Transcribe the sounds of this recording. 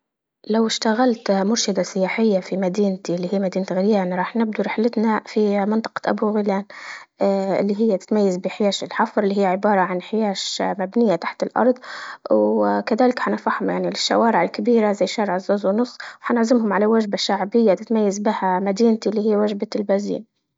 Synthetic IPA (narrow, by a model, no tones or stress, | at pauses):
lawɪʃt̪aɣalt̪mʊɾʃɪd̪asɪjaːħɪjːafimad̪iːnt̪ilːiːhijːamad̪iːnat̪ɣɪɾjaːnɾˤɑːħnɪb̚d̪uɾɪħlɪt̪nafimɪnt̪ˤɑ̥qɑ̥t̪ʔa̰buɣɪlaːn | ʔɪlːiɦɪjːat̪ɪ̥t̪majːazbɪħɪjaːʃɪlħɑfɾˤlːiɦijːʕɪbɑːɾˤɑʕanħɪjaːʃmabnɪjːat̪aħt̪ɪlʔɑ̰ɾˤd̪ˤwkaðaːlɪkħanaɾfaħhʊmjaʕnilɪʃːa̰waːɾɪʕɪlkabiːɾazajːʃːaːɾɪʕɪzːoːzwnʊsˤːwħanɪʕzɪmhʊmʕalawaʒbaʃaʕbɪjːat̪ɪt̪majːazbɪhamad̪iːnt̪ilːiːhijːwaʒbalbazḭːn